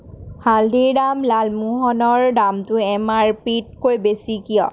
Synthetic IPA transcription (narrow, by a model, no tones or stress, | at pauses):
haldiɹdamlalmuɦɔnɔɹdamtʊɛmaɹpit̚kojbesikijɔ̰